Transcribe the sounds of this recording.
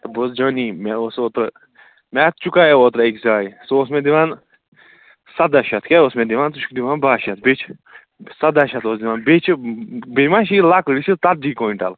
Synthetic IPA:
t̪bosd͡ʒənimaosoːt̪ɾ | mʲat̪̚t͡ʃukajeoːt̪ɾekzaːjisuosmẽd̪iʋan | sɐd̪aʃat̪ʰkʲeosmẽd̪iʋaːnt̪uʃkd̪iʋãːnbaːʃat̪̚bet͡ʃʰ | sɐd̪aʃat̪oːsd̪iʋanbet͡ʃʰbemãʃ̬ilakəɽit͡ʃit̪at̪̚d͡ʒiːkoːiɳʈa̰l

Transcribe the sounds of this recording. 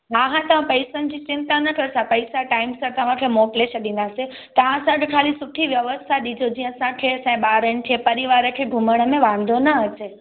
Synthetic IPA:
aːɦãt̪ɐʋ̤ãpɐɪsənɪ̆d͡ʑit͡ɕɪ̃nt̪anɐkʰəsãpəɪsaʈaːɪmsãt̪ɐʋ̤ãkʰemoʈleʃəɗĩn̆d̪aːsẽ | t̪ɐʋ̤ãɐsãɡekʰaːlisʊʈʰiʋjɐʋəst̪ʰaɗid͡ʑʱod͡ʑiːə̃sãkʰesɛ̃ɓaːɾəɽ̃̆t̪ʰiẽpɐɾiʋaːɾəkʰeɡʱʊməɽ̃əmẽʋãn̆d̪ʱonɐət͡ɕe

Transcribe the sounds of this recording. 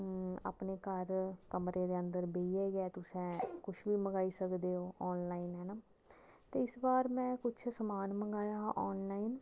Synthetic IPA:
a̰ːpneːkəɾkəmɾeːd̪eːənd̪əɾbeːiɛːɡɛːt̪ʊsɛ̃ːkʊʃʰbiːməɡaːiːsəkd̪eːɦoːʔɔːnlaːiːnɦɛːnaː | t̪eːɪsbaːɾmɛ̃ːkʊt͡ʃʰsəmaːnməɡaːjaːɦʔɔːnlaːiːn

